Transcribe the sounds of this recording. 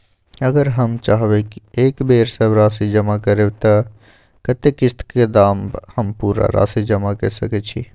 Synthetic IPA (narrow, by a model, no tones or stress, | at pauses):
əɡəɾɦəmt͡ʃaɦbɛkiekbeɾsəbɾasid͡ʒəmakəɾebt̪ə | kət̪ekːist̪ʰked̪amhəmpuɾa̰ɾa̰sid͡ʒəmakə̰səkɛt͡ʃʰḭ